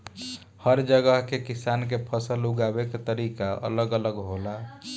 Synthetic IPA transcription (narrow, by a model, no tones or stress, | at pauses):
həɾd͡ʒəɡəɦkekisankepʰəsəluɡabeket̪əɾikaə̰ləɡələɡɦola